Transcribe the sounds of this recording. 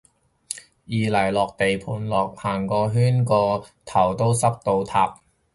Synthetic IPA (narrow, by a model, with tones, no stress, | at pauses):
jiː˨˧lɐ˨˩jlɔː˨˩k̚t̪e˨jpʰuː˨˩nlɔː˨k̚haː˨˩ŋkɔː˧ɦyː˥nkɔː˧t̪ʰɐ˨˩wt̪o˥wsɐ˥p̚t̪o˧wt̪ʰaː˧p̚